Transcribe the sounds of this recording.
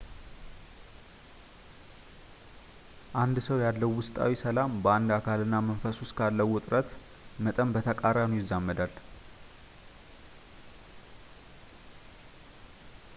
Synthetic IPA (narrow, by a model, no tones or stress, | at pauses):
ʔand̪səwjalːəwːʊst̪ʼa̰wisəlambəand̪akʰalɨnːaməɱfəsʊskʰalːəwʊt̪ʼɾʔət̪ | mət̪ʼəmbət̪ʰəkʼaɾanujɪzːamːəd̪al